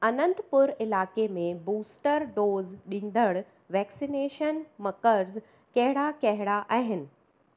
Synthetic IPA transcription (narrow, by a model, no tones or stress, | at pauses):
ɐnə̃nt̪pʊɾɪlaːkemẽbuːsʈəɾɖoːzɗĩːn̆d̪əɽ | ʋɛːksineːʃənmɐkəɾz | kɐɦɪɽakɐɦɪɽaʔaːɦɪnɪ̆